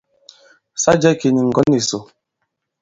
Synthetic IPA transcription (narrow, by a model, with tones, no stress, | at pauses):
sa˦d͡ʒɛ˦˨ki˨ni˨ŋ̩˨ɡɔ˨˦ni˨so˨